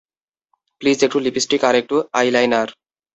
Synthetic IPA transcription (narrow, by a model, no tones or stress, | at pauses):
pliːzek̚ʈulipisʈikaɾek̚ʈuajlajnaɾ